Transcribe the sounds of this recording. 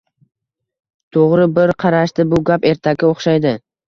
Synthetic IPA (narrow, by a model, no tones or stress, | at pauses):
t̪ʰoʁɾɪbɪɾqʰɑɾaʃt̪ɪbʊɡʲape̞ɾt̪ʰaɡʲɪoχʃajd̪ɪ